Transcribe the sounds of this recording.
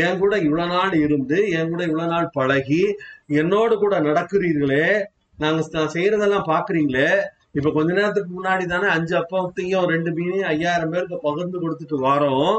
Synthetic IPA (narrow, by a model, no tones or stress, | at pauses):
ɛːŋkuːɽɐɪʋɭɐnaːlɪɾɯnd̪ɯɛːŋkuːɽɐɪʋɭɐnaːlpɐɻɐɣiɛnːoːɽɯkuːɽɐnɐɽɐkːɯɾiːɾɣɐɭeː | naːŋɡɐnãːsɛjɾɐðɛlːãːpaːɾkɯɾiːŋɡɐɭe | ɪpːɐkɔɲd͡ʒɐneːɾɐt̪̬ːɯkːɯmʊnːaːɽit̪̬aːneːɐɲd͡ʒɯɐpːɐɐt̪ːɪjʊ̃ɾɛɳɖɯpiːniɐjːaːjɪɾɐmpeːɾɯk̬ːɐpɐɣɯɾnd̪ɯkɔɽɯt̪ːɯʈːɯʋaːɾõː